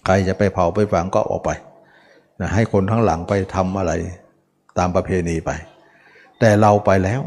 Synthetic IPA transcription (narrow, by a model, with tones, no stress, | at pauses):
kʰɾa˧jt͡ɕa˨˩pa˧jpʰa˨˩wpa˧jfa˧˩ŋkɔː˥˧˩ʔɔ̰ː˨˩k̚pa˧j | na˧˩ɦa˥˩jkʰo˧nt̪ʰaː˦˥ŋla̰˩˦ŋpa˧jt̪ʰa˧mʔa˧ɾa˧j | t̪aː˧mpɾa˧pʰeː˧niː˧pa˧j | t̪ɛː˨˩ɾa˧wpa˧jlɛː˦˥w